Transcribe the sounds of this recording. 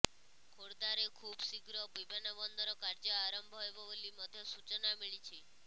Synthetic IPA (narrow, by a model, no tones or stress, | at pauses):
kʰoɽd̪aɾekʰubsiɡɾɔbibʱenɔbɔnd̪ʱɔɾɔkaɾd͡ʒəaɾəmbʱɔjbɔʋeliməd̪ʱjɔsut͡ʃnamiɭit͡ʃʰe